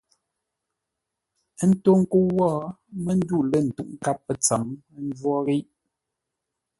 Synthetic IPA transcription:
n̩˦to˦ŋ̩˦ko˦wɔ˦mə˦n̩˦du˦˨lə˦˨n̩˨tu˦˨ʔŋ̩˦ka˦pːə˨t͡sa˨˦m˦n̩˦d͡ʒwɔ˦ɣi˦ʔ

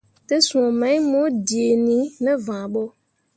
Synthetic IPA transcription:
te˦sũ˨ɔ˨mɛ̃˨˦mo˦di˨e˨nĩ˨˦nə̃˦vã˨bo˦

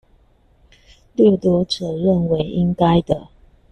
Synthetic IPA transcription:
ljɛ˥˩t̪wɔ˦˥ʈ͡ʂə˨˩˦ɻə˥˨nwe˧˦ɪʔi˦˥ŋka˦ɪd̪ə˨

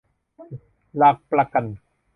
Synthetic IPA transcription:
laː˨˧˩k̚pla˧ka˨n

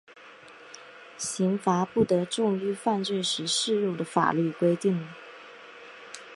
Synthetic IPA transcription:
ɕi˧˥ŋfa˧˥pu˥˩t̪ɤ˧˥ʈ͡ʂʊ˥˧ŋy˥˧fa˥˧nt͡swe˥˩ɪʂɻ̩˧˥ʂɻ̩˥˧ɻu˥˩d̪ə˩fa̰˨˩ly˥˩kwe˥ɪt̪i˥˩ŋlə˩

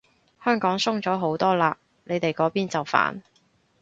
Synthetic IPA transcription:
hœː˥ŋkɔː˨˥ŋsʊ˥ŋt͡sɔː˨˥ɦo˨˥wt̪ɔː˥laː˨p̚ | ne˨˧jt̪e˨jkɔː˨˥piː˥nt͡sɐ˨wfa̰ː˨˥n

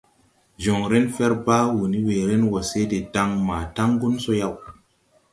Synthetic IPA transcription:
d͡ʒɔ˨ŋɾe˦nfɛ˦ɾbaː˦wu˨ni˦we˨ɾe˦nwo˨se˦de˨da˦ŋma˨ta˦ŋɡu˦nso˦ja˦w

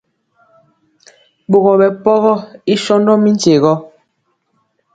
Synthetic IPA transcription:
ɓo˨ɣɔ˨ɓɛ˨pɔ˦ɣɔ˦i˦ʃɔ˦ndɔ˦mi˦n˦t͡ʃe˨ɣɔ˦

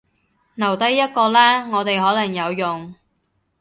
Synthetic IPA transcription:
nɐ˨˩wt̪ɐ˥jːɐ˥t̚kɔː˧laː˥ŋɔː˨˧t̪e˨jɦɔː˨˥lɐ˨˩ŋjɐ˨˧wjʊ˨˩ŋ

